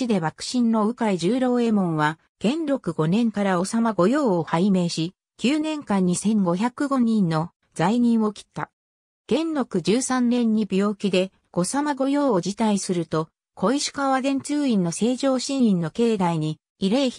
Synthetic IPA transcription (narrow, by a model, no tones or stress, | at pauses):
id̪e̞βakɯ̟̥ɕĩnːo̞ɯ̟kaiʑɨːɾo̞ːe̞mõ̞ɰ̃βa | ɡ̥ẽ̞nɾo̞kɯ̟ɡo̞nẽ̞ŋkaɾao̞samaɡo̞jo̞ːohaime̞ːɕi | kʲɨːnẽ̞ŋkãɲ̟ːisẽ̞ŋɡo̞çakɯ̟ɡo̞ɲ̟ĩnːo̞ | z̥aiɲ̟ĩɰ̃o̞kʲi̥t̪ːa̰ | ɡ̥ẽ̞nɾo̞kɯ̟d͡ʑɨːsãnnẽ̞ɲ̟ːibʲo̞ːkʲid̪e̞ | ɡ̥o̞samaɡo̞jo̞ːod͡ʑit̪aisɨɾɯ̟t̪o̞ | kʰo̞iɕi̥kaβad̪ẽ̞nt͡sɨːĩnːo̞se̞ːʑo̞ːɕĩɰĩnːo̞ke̞ːd̪aiɲ̟iː | ɾe̞ː